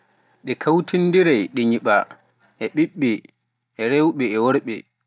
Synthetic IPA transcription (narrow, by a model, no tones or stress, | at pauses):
ɗɛkʰawtindiɾajɗɛɲiɓa | ʔɛɓiɓːɛː | ɾewɓɛːwoɾɓɛ̰